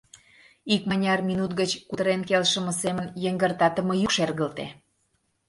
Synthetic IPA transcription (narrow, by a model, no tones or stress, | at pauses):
ikmɑnʲɑrminut̪̚ɣət͡ɕkut̪əɾenkelʃəmə̆semənjəŋɡərt̪ɑt̪ə̆mɤ̆jykʃerɣəlt̪ḛ